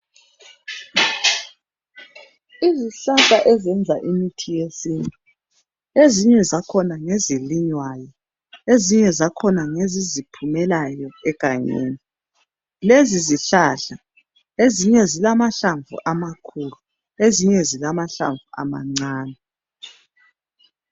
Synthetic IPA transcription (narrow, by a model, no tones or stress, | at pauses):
iziɬaɬaʔɛzɛnd͡zʱaʔimitʰijesiːntʼu | eziɲɛzakʰɔnaŋeziliɲwajɔ | eziɲɛzakʰɔnaŋezizipʰumɛlajɔɛkaɲḛːni | leziziɬaɬa | eziɲɛzilamaɬaɱvṵʔamakʰuːlu | eziɲɛzilamaɬa̰ɱvua̰ma̰ŋ͡ǀaːnɛ